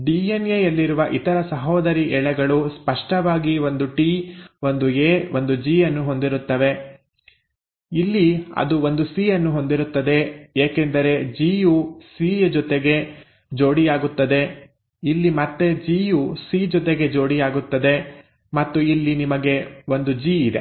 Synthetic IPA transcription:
ɖiːenejɐlːiɾuʋɐʔit̪ɐɾɐsɐɦoːd̪ɐɾiʔɛɭɛɡɐɭuspɐʂʈɐʋaːɡio̞nd̪uʈiːo̞nd̪ueːʋo̞nd̪ud͡ʒiːɐnːuɦo̞nd̪iɾut̪ːɐʋe̞ | ilːiɐ̰d̪uo̞nd̪usiːɐnːuɦo̞nd̪iɾut̪ːɐd̪e̞eːkend̪ɐɾe̞d͡ʒiːjusiːd͡ʒɔt̪eɡe̞ | d͡ʒo̞ːɽijaːɡut̪ːɐd̪e̞ | ilːimɐt̪ːe̞d͡ʒiːjusiːd͡ʒɔt̪eɡe̞d͡ʒo̞ːɽijaːɡut̪ːɐd̪e̞ | mɐt̪ːuilːinimɐɡe̞o̞nd̪ud͡ʒiːid̪e̞̰

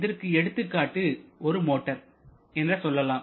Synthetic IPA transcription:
ðɐɾkɯɛɽɯt̪ːɯkːaːʈːɯɔɾɯmoːʈːɐɾ | ɛndrɐsɔlːɐlaː

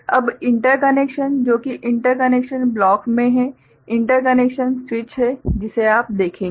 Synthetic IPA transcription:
ɐbɪ̃ɳʈəɾkəneːkʃənd͡ʒoːkiʔɪ̃ɳʈəɾkɐneːkʃənblɔːkmẽɦɛ | ɪ̃ɳʈəɾk̬ɐneːkʃənswɪt͡ʃɦɛd͡ʒɪseaːp̚d̪eːkʰẽː

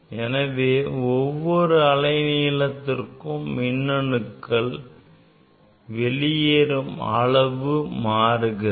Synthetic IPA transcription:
ɛnɐʋeːɔʋːɔɾɯɐlɐɪniːlɐt̪ːɪrkɯmːɪnːɐɳɯkːɐɭ | ʋɛlɪjeːɾɯmɐ̰ɭɐʋɯmaːɾɯɣɯ

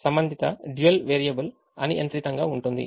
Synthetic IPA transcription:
sɐmbɐnd̪ʱit̪ɐ̰ɖjuɐlʋeːɾijɐbɐl | ɐ̰niʔɐnt̪ɾit̪ɐŋɡaːuɳʈund̪ḭ

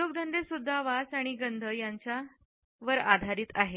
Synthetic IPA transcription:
oɡd̪ʱənd̪esud̪ʱːaʋat͡saɽ̃iɡənd̪ʱəjaɲt͡ɕja | ʋəɾa̰d̪ʱaɾiːt̪aɦe

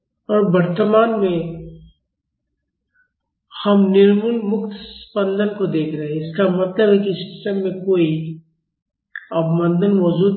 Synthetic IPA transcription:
ɔːɾbɐɾt̪əmaːnmẽ | hɐmnɪɾmunmʊkt̪spɐ̃nd̪ənkod̪eːkʰɾɐɦeɪskamɐt̪ləbɦɛkiskɪ̥səmːẽkoːi | ɐbmɐ̃nd̪ənmɔːzuː

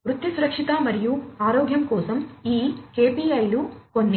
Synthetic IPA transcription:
ʋɾut̪ːisuɾɐkʂit̪aːmɐɾijuaːɾɔːɡʱjɐmkɔːsɐmiːkeːpiɐjlukonːi

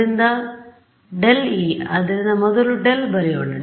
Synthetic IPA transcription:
und̪ɐ | ɖeliɐðiɾund̪ɐmoðuluɖelbɐɾɐjoɳːɐ

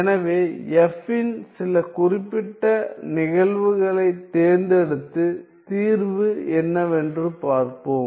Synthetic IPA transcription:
ɛnɐʋeːɛfːɪnsɪlɐkʊrɪpːɪʈːɐnɪɣɐɭʋɯɣɐɭɐɪt̪ːeːɾnd̪ɛɽɯt̪ːɯ | t̪iːɾʋɯɛnːɐʋɛndrɯpaːɾkoːm

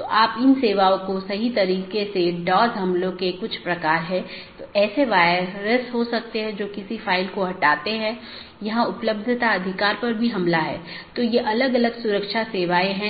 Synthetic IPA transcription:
t̪oʔaːpɪnseːʋaːõkosɐɦit̪ɐɾiːqeseɖɔːzɦɐ̃mlõkekʊt͡ʃʰpɾɐkaːɾɦɛ̃ːt̪oːɛːseʋaːɪɾəsɦosɐk̚t̪eɦɛ̃d͡ʒoːkɪsifaːɪlkoɦɐʈaːt̪eɦɛ̃ː | jɐɦãʊpləb̚d̪ʱt̪aɐd̪ʱɪkaːɾpɐɾbʱiɦɐ̃mlaɦɛ̰ːt̪ojeʔɐləɡɐləɡsʊɾəkʃaseːʋaːeɦɛ̃ː

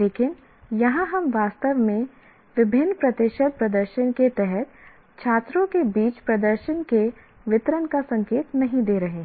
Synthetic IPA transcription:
leːkɪn | jɐɦãɦɐmʋaːst̪əʋmẽ | ʋɪbʱɪnːpɾɐt̪ɪʃəd̪̚pɾɐd̪əɾʃənket̪ɛɦɛt̪ | t͡ʃʰaːt̪ɾõkebiːt͡ʃpɾɐd̪əɾʃənke | ʋɪt̪ɾənkasɐ̃ŋkeːt̪nɐɦĩd̪eːɾɐɦẽː

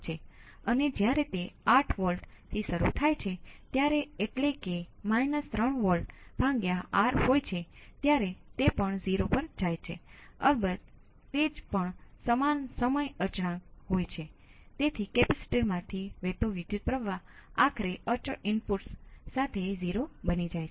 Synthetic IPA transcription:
t͡ʃʰeəned͡ʒjaɾet̪eaʈʰʋəlʈt̪ʰiʃəɾṵt̪ʰajt͡ʃʰet̪jaɾeeʈlekemajnəst̪ɾəɳʋəlʈb̥ʱãŋɡjaaɾɦojt͡ʃʰet̪jaɾet̪epəɳziɾopəɾd͡ʒajt͡ʃʰeə̰lbət̪̚ | t̪ed͡ʒpəɳsəmansəməjəɾt͡ʃɽãɦojt͡ʃʰet̪et̪ʰikepɛsi̥ʈiɾmãt̪ʰiʋet̪oʋid̪jut̪̚pɾəʋaakʰɾeʔət͡ʃəɪnpuʈsːat̪ʰeziɾobənid͡ʒajt͡ʃʰe

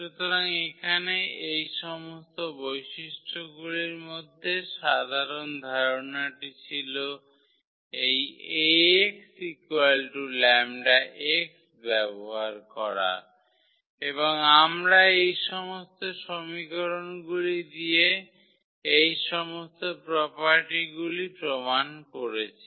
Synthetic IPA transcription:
ʃut̪oɾaŋekʰaneejʃɔmost̪obojʃiʃʈʰoɡuliɾmod̪ʱːeʃad̪ʱaɾond̪ʱaɾonaʈit͡ɕʰilo | ejeksikualʈulɛmɖaʔeks | bɛboɦaɾkɔɾa̰ | eβoŋamɾaejʃɔmost̪oʃomikoɾonɡulid̪ie | ejʃɔmost̪opɾɔpaɾʈiɡulipɾomankoɾet͡ɕʰi

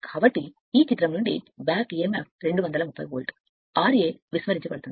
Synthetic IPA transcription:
kʰaaːbɐʈːi | iːt͡ʃit̪ːɾɐmluɳɖḭbaːkemaːp̚ɾeɳɖɯʋɐnd̪ɐlɐmupːɐ̰joːlʈ | aːɾjeːʋismɐɾiɲt͡ʃukpɐɽɯt̪ːun

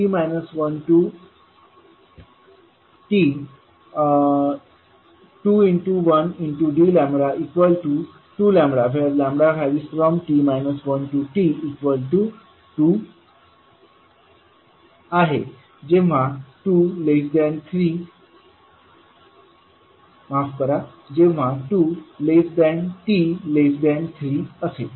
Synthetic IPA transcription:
ʈimajnəsʋənʈu | ʈi | ʈuiɳʈuʋəniɳʈuɖilɛ̃mbɽaʔikʋəlʈu | ʈulɛ̃mbɾafɛɾlɛ̃mbɽafɛʋiːsfɾɔmʈimajnəsʋənʈuʈiːkʋəlʈu | ʈu | aɦe | d͡ʑẽʋ̤aʈulesd̪ɛ̃nt̪ʰɾiː | mafkəɾa | d͡ʑẽʋ̤aʈulesd̪ɛ̃nʈilesd̪ɛ̃nt̪ʰɾiːəse

